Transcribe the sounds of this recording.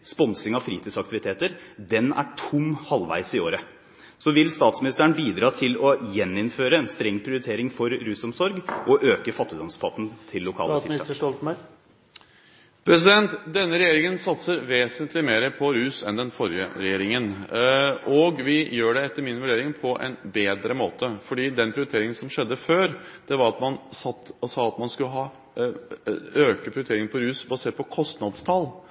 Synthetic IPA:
spɔnsɪŋɑʋfɾiːt̪ʰiːsɑk̚t̪ɪʋɪt̪ʰeːt̪əɾd̪ɛnæ̰ʈʰʊmhɑlʋæ̰ɪsɪoːɾə | sɔʋɪlst̪ɑːt̪smɪnɪst̪əɳbiːd̪ɾɑːt̪ʰɪlɔjɛnːɪnføːɾəɛnst̪ɾɛŋːpʰɾɪʊɾɪt̪ʰeːɾɪŋfɔɾɾʉːsɔmsɔɾɡʔɔʔøːkəfɑt̪ːɪd̪ɔmspʰɑt̪n̩t̪ʰɪlːʊkʰɑ̰ːə̰ɑɔl | pʰɾɛsɪd̪ɛnt̪d̪ɛnːəɾɛjeːɾɪŋənsɑt̪səɾʋeːsənt̪lɪmeːɾəpʰɔɾʉːsɛnd̪ɛnfɔɾjə̰ɾɛjeːɾɪŋən | ɔɡʋɪjøːɖɛɛt̪ːəɾmɪnʋʉɖeːɾɪŋpʰɔʔɛ̰nbeːd̪ɾəmoːt̪əfɔɖiːd̪ɛnpʰɾɪʏɾʏt̪eːɾɪŋənsɔmʂɛd̪ːəføːɾd̪̥ɛʋɑɾɑt̪mɑnsɑt̪ːsɑːɑt̪mɑnskʉlːəɦɑː | øːkəpɾɪʏɾt̪ʰeːɾɪŋənpʰɔɾʉːsbɑseːʈ̚pʰɔkʰɔst̪nɑd̪st̪ʰɑl

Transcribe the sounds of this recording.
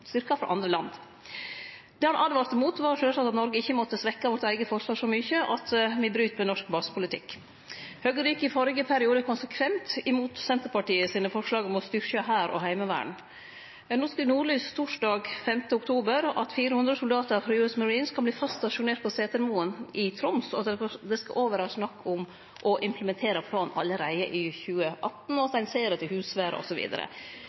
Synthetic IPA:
st̪ʏɾkɑfɾɑ̰ʔɑ̰nd̪ɾəlɑnd̪ | d̪̥ɛhɑnʔɑd̪ʋɑːɾt̪ɛmuːt̪ʋɑɾʂøːlsɑt̪ːɑt̪nɔɾɡəɪçːəmɔt̪ːəsʋɛkːɑʋɔɾt̪æɪɡəfɔɾʂlɑːɡʂɔmʏçəʔɑt̪ʋɪbɾyːt̪mɛnɔʂkbɑsə̥pʰʊlɪt̪ʰɪ̰kː | høːɡəɾikəfɔɾɪɡəpʰæɾɪuːd̪əkʰʊnsəkʰʋɛnt̪ɪmuːt̪sɛnt̪əɾpɑʈiːəsiːnəfɔɾʂlɑːɡɔmɔst̪ʏɾçɑɦæːɾɔ̰hæɪməʋæ̰ːɳ | noːsknuːɾɭyːst̪ʰuːʂɖɑːɡfɛmt̪əʊkt̪ʰuːbəɾɑ̰t̪fiːɾəhʉnd̪ɾəsʊld̪ɑːt̪əɾfɾɑjʉːɛsməɾiːnskʰɑlbliːfɑst̪ːɑʂʊneːɾʈ̪̚pʰɔseːt̪əɾmuːənɪt̪ʰɾʊmsɔɑt̪d̪ɛskɑ̰ʔoːʋəɾɑːsnɑkːʊm | ʔɔʔɪmpləmɛnt̪ʰeːɾəpʰlɑːnɑlːəɾæɪəʔɪçʉːəʔɑt̪n̩ɔt̪æɪnseːɾət̪ʰɪlhʉːsʋæːɾə̰ɔ̰sɔʋḭːd̪ə̰ɾə̰

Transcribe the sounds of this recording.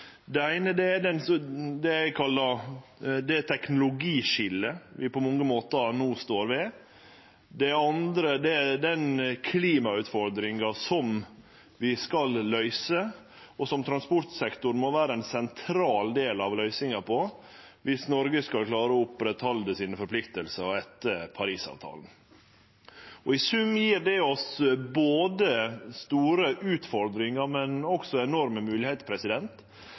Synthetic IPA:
d̪ɛæɪnəd̪ɛæd̪ɛnsɔd̪ɛæɪkʰɑlːɑɾd̪ɛt̪ʰɛknʊlʊɡiːʃɪlːəʋɪpɔmɔŋːəmoːt̪nuːst̪oːɾʋɛ | d̪ɛɑnd̪ɾəd̪ɛd̪ɛnkʰliːmɑʉt̪fɔɾd̪ɾɪŋɑsɔm | ʋɪskɑlːœʏsə | ɔsɔmt̪ʰɾɑnspɔʈ̪sɛkt̪ʊɾmɔʋæːɾəɛnsɛnt̪ʰɾɑːld̪eːlɑʋlœʏsɪŋɑpʰɔ | ʋɪsnɔɾɡəskɑlkʰlɑːɾəɔʊpɾɛt̪hɑld̪əsɪːnfɔɾpʰlɪkt̪əlsəɛt̪ːəpʰɑɾiːsɑ̰ːʋt̪ʰɑ̰ːln̩ | ɔɪsʉmjiːɾd̪ɛɔsboːd̪əst̪uːɾəʔʉːt̪fɔɾd̪ɾɪŋɑɾmɛnɔksɔɛnɔɾməmʉːlɪhɛɪt̪pʰɾɛsɪd̪ɛnt̪

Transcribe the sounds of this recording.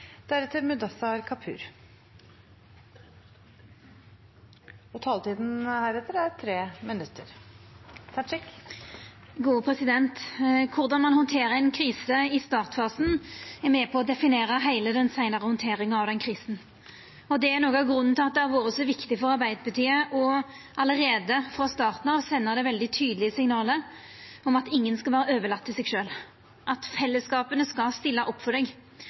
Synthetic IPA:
d̪̥æɾət̪ʰːɪlmʉd̪ɑsɑɾkʰɑpʰʉ̰ːɾ | ɔt̪ʰɑːlt̪ʰiːd̪n̩hæːɾɛt̪ːəɾæɾt̪ʰɾeːmɪnʉt̪ʰːəɾ | sɑʂɪk | ɡuːpʰʁɛsɪd̪ɛnt̪kʰʊʁd̪ɑnmɑnhɔnt̪ʰeːʁəɛɪnkʰɾiːsəɪst̪ɑːʁt̪fɑːsn̩ɛʁmɛpʰɔɔd̪ɛfɪneːɾəɦæɪləd̪ɛnsæɪnəʁəhɔnt̪ʰeːɾɪŋəɑʋd̪ɛnkʰʁiːsn̩ | ɔd̪ɛænoːɡɑɡɾʉnːnʰɪlɑt̪̚d̪ɛɑlʋoːɾəsɔʋɪkt̪ɪfɔɾʁɑʁbæɪd̪əpɑt̪ʰiːəʔɔ | ɑləʁeːd̪əfɾɑst̪ɑːʁt̪nɑʋsɛnːəʁd̪ɛʋɛld̪ɪt̪ʰyːd̪əlɪəsɪŋnɑːlə | ɔmɑt̪ɪŋːənskɑʋæːɾəøːʋəlɑt̪ːɪsɛɡʃøːl | ʔɑt̪fɛlːəskɑːpənəskɑst̪ɪlːɑʔɔpːfɔd̪ɛːɡ

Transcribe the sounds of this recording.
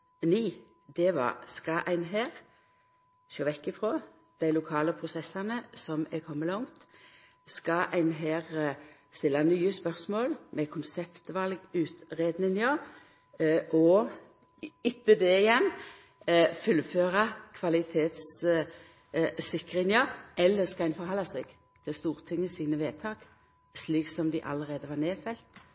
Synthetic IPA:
niː | d̪ɛʋɑ̰skɑʔæɪnɦeːʁ | ʃøːʋɛkːɪfɾoː | d̪̥æɪlʊkʰɑːləpʰʁʊsɛsːɑnəsɔmɛkʰɔmːəlɔŋt̪ | skɑʔæɪnɦeːʁ | st̪ɪlːɑnyːəspœʁsmoːlmɛkʰʊnsɛpt̪ʋɑlɡʉːt̪ʁeːd̪nɪnjɑ | ʔɔ | ɪt̪ːəd̪eːɪjɛn | fʉlføːʁɑkʰʋɑlɪt̪ʰeːt̪s | sɪkʁɪŋəɛlːəskɑæɪnfɔʁhɑlɑsɛɡ | t̪ʰɪlst̪uːʁt̪ʰɪŋːəsiːnəʋeːt̪ʰɑːk | sliːksɔmd̪ɪʔɑ̰lːəʁeːd̪əʋɑːneːfɛlt̪

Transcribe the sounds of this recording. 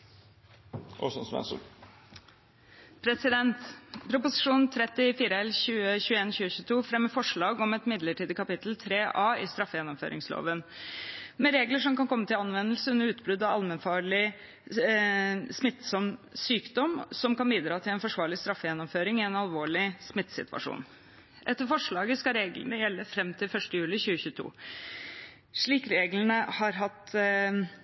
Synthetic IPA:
ʔɔ̰snsʋɛ̰nsə̰ | pʰɾɛsɪd̪ɛnt̪pʰɾʊpʊsɪʂuːnt̪ʰɾɛt̪ːɪfiːɾəɛlçʉːəçʉːəeːnçʉːəçʉːət̪ʰuːfɾɛmːəfɔʂɭɑːɡɔmɛt̪mɪd̪ləʈiːd̪əkɑpɪt̪əl̩t̪ʰɾeːʔɑːɪst̪ɾɑfːəjɛnːɔmfø̰ːɾɪ̰ŋslo̰ːʋən | mɛɾeːɡləʂɔmkɑnkʰɔmːət̪ɪlɑnʋɛnːəlsəʉnːəɾʉːt̪bɾʉd̪ɑɑlmɛnfɑːɭɪ | smɪt̪ːsɔmsyːkd̪ɔmsɔmkɑnbiːd̪ɾɑːt̪ʰɪlɛnfɔʂʋɑːɭɪst̪ɾɑfːəjɛnːɔmføːɾɪŋɪɛnɑlʋoːɭɪsmɪt̪ːsɪ̰t̪ʰʋɑ̰ʂṵːn | ʔɛt̪ːəɾfɔʂɭɑːɡəskɑɾeːɡlə̰nəjɛlːəfɾɛmːt̪ʰɪlfœʂʈəjʉːlɪçʉːəçʉːət̪ʰṵː | ʂɭiːkɾeːɡlənəhɑɾɦɑt̪

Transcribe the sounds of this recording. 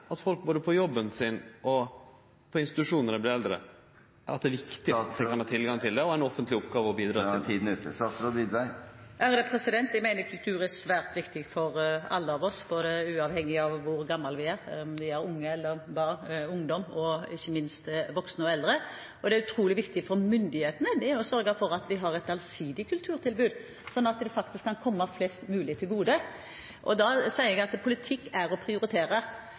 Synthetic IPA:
ɑt̪fɔlk̚boːd̪əpʰɔjɔbːənsɪnɔ | pʰɔɪnst̪ɪt̪ʉʂuːnnəɾɛblɪɾɛld̪ɾə̰ | æɾɑt̪̚d̪ɛæʋɪkt̪ɪt̪d̪ɛkɑnhɑːt̪ʰɪlɡɑŋt̪ʰɪld̪ɛɔɛnɔfənt̪lɪɔpɡɑːʋəɔbiːd̪ɾɑ̰ːt̪ʰiːd̪n̩ʉːt̪əsɑsɾod̪id̪ʋæɪʔæɾd̪ɛpʰɾɛsɪd̪ɛnt̪æɡmæɪnəkʰʉlt̪ʰʉːɾæsʋæːɾt̪ʋɪkt̪ʰɪɡfɔɾɑ̰lːəɑʋɔsboːd̪əʉːɑʋhɛŋːɪɑʋʋʊɾɡɑmːɑlʋɪæːɾɔmd̪ɪæɾʊŋːəɛlːəɾbɑːnʊŋd̪ɔmɔɪçːəmɪnst̪ʋɔksnəɔɛld̪ɾə | ʔɔd̪ɛæɾʉt̪ʰɾuːlɪʋɪkt̪ɪfɔɾmʏnd̪ɪheːt̪ənəd̪ɛjɔsœɾɡəfɔɾɑt̪ʋɪɦɑɾɛt̪ɑlsiːd̪ɪkʰʉlt̪ʰʉːɾt̪ʰɪlbʉːd̪ | sɔnːɑt̪d̪ɛfɑkt̪ɪskʰːɑnkʰɔmːɑflɛst̪mʉːlɪt̪ʰːɪlɡuːd̪ə | ʔɔd̪ɑsæɪəɛɡɑt̪pʰʊlɪt̪ʰɪkːæɾɔpʰɾɪʊɾɪt̪ʰeːɾəɾ

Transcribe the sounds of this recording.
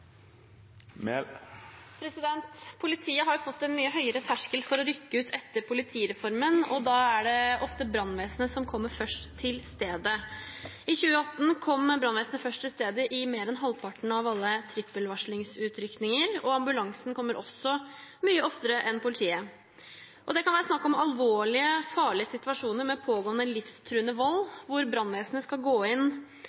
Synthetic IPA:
mɛ | pʰɾɛsɪd̪ɛnt̪pʰʊlɪt̪ʰiːəɦɑɾjʊfɔt̪ːɛnmyːəɦœʏəɾət̪ʰæʂkəlfɔɾɔɾʏkːəʉːt̪ʰɛt̪ːəɾpʰʊlɪt̪ʰiːɾɛfɔɾmənɔd̪ɑːæɖɛʔɔft̪əbɾɑnːʋeːsənəsɔmkʰɔmːəɾfœʂʈt̪ʰɪlst̪eːd̪ə | ɪçʉːəɑt̪ːn̩kʰɔmːbɾɑnʋeːsənəfœʂʈ̪ʰɪlst̪eːd̪əʔɪmeːɾɛnɦɑlːpʰɑʈɳ̩ɑʋɑlːət̪ʰɾɪpːəlʋɑʂɭɪŋsʉːt̪ʰɾʏknɪŋəɾɔɑmbʉlɑŋsn̩kʰɔmːəɾʔɔ̰sːɔmyːəɔft̪əɾəʔɛnpʊlɪt̪ʰiːə | ʔɔd̪ɛkʰɑnʋæːɾəsnɑkːɔmɑlʋoːɭɪəfɑːɭɪəsɪt̪ʋɑʂuːnəɾmɛpʰoːɡoːnəlɪfst̪ʰɾʉːənəʋɔlːʋʊɾbɾɑnːʋeːsənəskɑɡoːɪn

